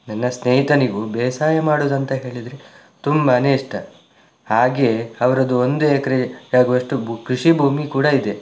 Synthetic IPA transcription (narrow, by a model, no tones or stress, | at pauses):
nɐnːɐsneːɦit̪ɐniɡubeːsaːjɐmaːɽoːd̪ɐnt̪ɐɦe̞ːɭid̪ɾe | t̪umbɐːneːʂʈɐ | haːɡeːɐʋɐɾɐd̪uond̪uekɐɾejaːɡuɐʂʈubkɾiʂibʱuːmikuːɽɐid̪e̞